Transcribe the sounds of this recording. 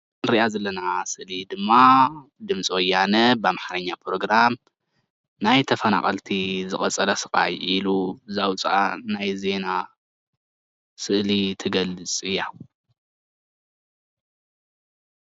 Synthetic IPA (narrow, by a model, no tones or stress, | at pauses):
nɾiʔazɐlːɐnasɨʔlid̪ɨmːad̪ɨmt͡sʼiwɔjːanɐbamaħaɾɐɲːapʰɾo̞ɡɾam | najt̪ʰɐfɐna̰χʼɐlt̪ʰizɨχʼɐt͡sʼɐlɐsɨkʼa̰jʔiluzawt͡sʼʔanajze̞na | sɨʔlit̪ʰɨɡɐlːɨt͡sʼɨjːa